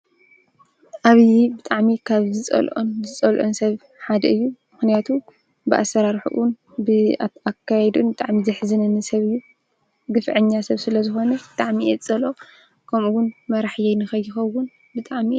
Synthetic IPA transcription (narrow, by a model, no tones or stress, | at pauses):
ʔaβjbɨt̪ʼaʕmikʰaβzɨt͡sʼɐ̰lʔonzɨt͡sʼɐlʔonsɐβ | ħad̪ɐɨjːumɨxnijat̪ʰu | bɨʔa̰sːɐɾaɾħṵʔn | bɨakʰːajɛd̪unbɨt̪ʼaʕmizɨħzɨnɐnɨsɐβɨjːu | ɡɨfʕɨɲːasɐβsɨlɐzɨxo̞nɐbɨt̪ʼaʕmiʔɛt͡sʼɐlo | kʰɐmuwʊnmɐɾaħjɛjnɨxɐjːɪxɐwʊn | bɨt̪ʼaʕmi